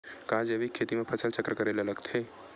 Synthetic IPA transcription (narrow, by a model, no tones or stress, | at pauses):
kãd͡ʒəʋikʰːet̪imẽpʰəsəlt͡ʃəkɾəkəɾeleləɡt̪ʰe